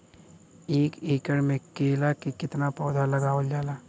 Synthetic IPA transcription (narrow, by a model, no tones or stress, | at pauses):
eːkeːkəɽmẽkeːlakekɪt̪napɔːd̪ʱalɐɡaːəld͡ʒaːlaː